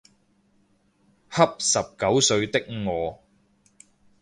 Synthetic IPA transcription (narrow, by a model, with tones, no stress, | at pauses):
hɐ˥p̚sɐ˨p̚kɐ˨˥wsɵ˧ɥt̪ɪ˥k̚ŋɔː˨˧